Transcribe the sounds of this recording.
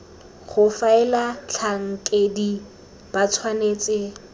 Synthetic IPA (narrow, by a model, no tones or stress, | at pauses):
χʊfaɪlat͡ɬʰaŋ̩kʼedi | b̥at͡sʰwaneːt͡sʼɪ